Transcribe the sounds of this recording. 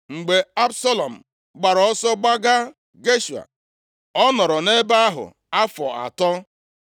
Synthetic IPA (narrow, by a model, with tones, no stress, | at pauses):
ŋ͡m̩˨ɡ͡be˨a˦bsa˦lɔ˨m̩˨ | ɡ͡ba˨ɾɔ˨ɔ˦sɔ˦ɡ͡ba˦ɡa˦ | ɡe˦ʃu˨a̰˨ | ɔ˦nɔ˨ɾɔ˨ne˦ba˦a˦ɦʊ̰˨ | a˦fɔ̰˨a̰˨tɔ˦